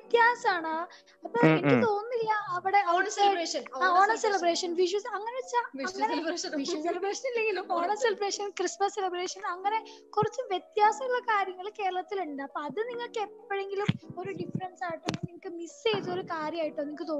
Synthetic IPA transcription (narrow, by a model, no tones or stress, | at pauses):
t̪jaːsɐmaːɳɨ | ɐpːoːenikʲːɨt̪o̞ːnːilːɐɐʋiɽe̞oɐʂɐnaːoːɳɐselɐbreːʂɐnʋiʂ̬juːsɐŋːɐneʋet͡ɕːaɐŋːɐnielbeːʂɐnilːeŋɡilumoːɳɐselɐbreːʂɐnkrismɐsːelɐbreːʂɐnɐŋːɐne̞kurɐt͡ɕːuʋjet̪jaːsɐmilɭːɐkaːɾjɐŋːɐɭike̞ːɾɐɭɐt̪ːiluɳɖapːoɐðɨniŋːɐɭkːepːɐpːeɻeŋɡilumo̞ɾuɖifɾɐnsaːjiʈːuniŋɐkʲːɨmisejt̪ːo̞ɾukaːɾjɐmaːjiʈːɨmeniŋkːɨt̪o̞ː